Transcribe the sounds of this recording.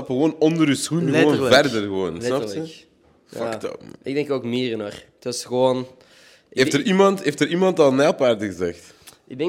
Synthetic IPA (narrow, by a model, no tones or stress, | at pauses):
ɑpɣəʋoːnɔndəɾysxunoːnvɛrdərɣəʋoːnsnɑptə | fɑktɔ̰ɪɡ̚dɛŋkoːkmiːɾənortɑsxəʋoːn | eftərimɑnteːftəɾimɑntɑlˠnɛlˠpaːrdəɣəzɛxt | ɪɡɛ